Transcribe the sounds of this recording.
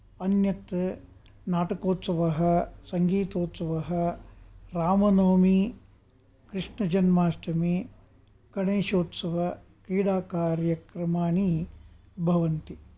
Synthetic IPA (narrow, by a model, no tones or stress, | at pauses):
ɐnjɐt̪ | naːʈɐkoːt̪sɐʋɐɦɐsɐŋɡiːt̪oːt̪sɐʋɐɦɐ | ɾaːmɐnoːmi | kɾiʂɳɐd͡ʒɐnmaːsʈɐmi | kɐɳeːʃoːt̪sɐʋɐ | kɾiːɽaːkaːɾjɐkɾɐmaːɳi | bʱɐʋɐnt̪i